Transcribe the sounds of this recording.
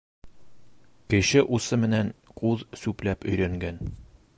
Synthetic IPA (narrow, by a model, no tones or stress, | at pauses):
kɘ̆ɕɘʔusɤmɘ̆nænquðsʉplæpɵ̆jɾæŋɡæn